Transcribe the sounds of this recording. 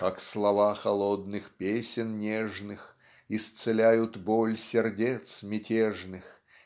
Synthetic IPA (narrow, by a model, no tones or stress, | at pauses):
kakslˠɐvaxɐlˠod̪̚nɨxpʲesʲɪnnʲeʐnɨx | ɪst̪sɨlʲæjʊt̪bolʲsʲɪrdʲet̪smʲɪtʲeʐnɨx